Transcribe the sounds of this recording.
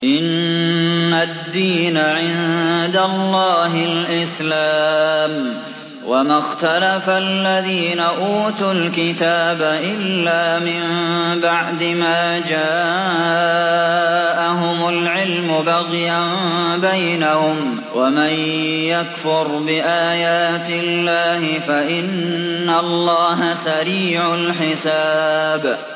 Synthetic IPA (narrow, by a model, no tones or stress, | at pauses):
ʔɪnː | ad̪ːiːnaʕɪnd̪alːɑːɦɪlʔɪslaːm | wamaxt̪alafalːaðiːnaʔuːt̪ulkɪt̪aːbaʔɪlːaːmɪmbaʕd̪ɪmaːd͡ʒaː | ʔaɦʊmʊlʕɪlmʊbaɣjambajnahʊm | wʔamaj | jakfʊɾbɪʔaːjaːt̪ɪlːaːhɪfaʔɪnːalˤːɑːɦasaɾiːʕʊlħɪsaːb